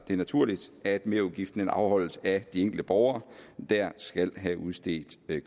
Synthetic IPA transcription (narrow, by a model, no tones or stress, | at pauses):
d̥e̝næt͡sʰuɐ̰lid̥æd̥me̝ɐuðˠɡ̥ifd̥n̩enɑ̈ʊhɒ̽l̰əsæd̥ieŋ̰ɡ̥l̩d̥əb̥ɒʊɐːd̥æɐ̰sɡ̥æl̰ɦæʔuð̞ˠsd̥e̝̰ːd̥